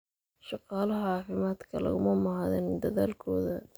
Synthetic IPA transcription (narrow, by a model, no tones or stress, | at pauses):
ʃɑqɑːlɐɦɐɑːfɪmaːd̪kʰɐlɐ̰ɣʊmɐmɑhɑðɛnd̪ɐðaːlkʰɔːðɐ